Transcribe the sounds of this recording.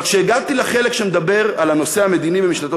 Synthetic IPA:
kʃeːɡat̪ileχe̞lekʃemed̪abe̞ʁalano̞se̞ame̞d̪inibemiʃnat̪o

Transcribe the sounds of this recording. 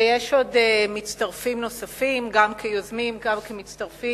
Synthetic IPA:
jeʃo̞demit͡staʁfimno̞safimɡamkʰejozmimɡamkemit͡stɐʁfi

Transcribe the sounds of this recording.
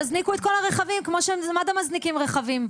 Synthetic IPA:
aznikuet̪̚ko̞laʁeχavimkmo̞ʃemmad̪amaznikimʁeχavim

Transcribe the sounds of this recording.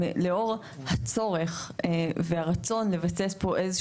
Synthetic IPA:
leo̞ʁ | hat͡so̞ʁe̞χvehaʁat͡so̞nle̞vasespo̞ʔe̞ze

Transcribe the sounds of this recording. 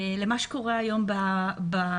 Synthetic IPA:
lemaʃe̥ko̞ʁeajo̞mbaba

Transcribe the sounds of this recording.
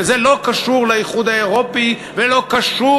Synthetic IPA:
zelo̞kaʃuʁlajiχud̪aeʁo̞pi | velo̞kaʃu

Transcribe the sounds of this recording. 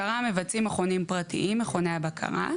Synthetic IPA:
aʁamevat͡simaχo̞nimpʁatḭʔimːeχo̞neabakʰa̰ʁa̰

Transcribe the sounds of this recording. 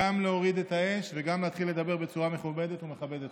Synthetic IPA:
amleoʁid̪e̞t̪ae̞ʃveɡamleat̪χilːe̞d̪abe̞ʁbet͡suʁame̞χubed̪e̞t̪ume̞χabed̪et̪

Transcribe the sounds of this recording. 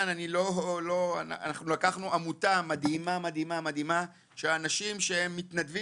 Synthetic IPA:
nanilo̞lo̞a̰a̰naχnulakaχnuʔamutamad̪imamad̪imamad̪ima | ʃeanaʃimʃe̞he̞mːit̪nadvi

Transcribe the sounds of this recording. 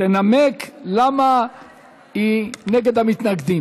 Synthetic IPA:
enameklama | ineɡed̪hamit̪naɡd̪i

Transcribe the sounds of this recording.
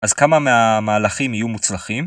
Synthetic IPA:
ʔazkamameamaːlaχimijumut͡slaχim

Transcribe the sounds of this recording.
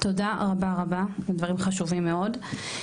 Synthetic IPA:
t̪o̞daʁabaʁabaledvaʁimχaʃuvimːeo̞d

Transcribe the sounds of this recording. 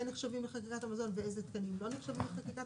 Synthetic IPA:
eneχʃavimleχakikat̪amazo̞nveejzet̪kanimlo̞neχʃavimleχakika

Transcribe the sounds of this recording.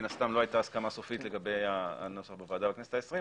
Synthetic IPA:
nast̪amlo̞ajt̪aːskamasofit̪le̞ɡabe̞jaa̰no̞saχbevaːd̪abeknese̥taesʁi

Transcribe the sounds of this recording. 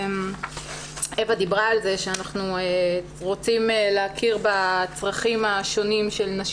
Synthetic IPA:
m | evad̪ibʁaːlze̞ʃeanaχnue | ʁo̞t͡simeleakʰiʁbat͡sʁaχimaʃo̞nimʃe̞lnaʃ

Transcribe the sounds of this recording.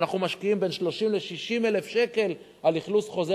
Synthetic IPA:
naχnumaʃkiimbe̞nʃlo̞ʃimle̞ʃiʃimele̞fʃe̞ke̞l | aliχlusχo̞ze

